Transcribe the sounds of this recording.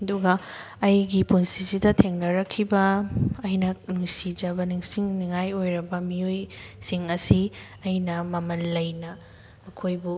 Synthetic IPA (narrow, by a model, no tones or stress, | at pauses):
ɐduɡɐ | ɐjɡipunsisidɐtʰeŋnɐɾɐkʰːibɐːjnɐnuŋsid͡ʒɐbɐniŋsiŋniŋajojɾɐbɐmijojsiŋɐsi | ɐjnɐmɐmɐnlːɐjnɐ | mɐkʰojbu